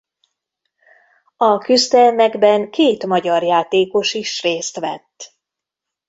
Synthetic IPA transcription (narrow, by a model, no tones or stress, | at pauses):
ɒkyzd̪ɛlmɛɡbɛŋkeːt̪mɒɟɒrjaːt̪eːko̞ʃiʃreːst̪ʋɛ̰t̪ː